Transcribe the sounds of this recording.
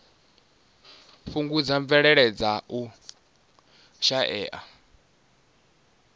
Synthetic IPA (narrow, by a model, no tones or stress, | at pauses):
ɸuŋɡud͡zaɱvɛɺɛɺɛd͡zaʔu | ʃaʔɛːʔa